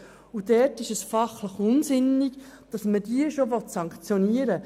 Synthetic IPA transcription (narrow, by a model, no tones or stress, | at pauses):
udɛtɪʃəsfɑχləχʊnsɪnikd̥ɑsmədiəʃoʋɔtsɑŋkt͡sjoniːəɾə